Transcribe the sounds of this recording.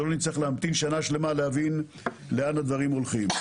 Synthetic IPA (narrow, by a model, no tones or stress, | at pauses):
onit͡saχleamt̪inʃanaʃle̞maleavin | leanad̪vaʁimo̞lχim